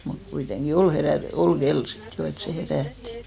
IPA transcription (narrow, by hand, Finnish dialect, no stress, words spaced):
mut kuiteŋɡ̊i ol heræ ol ɡ̊el sit jo et se heræˑtːi̥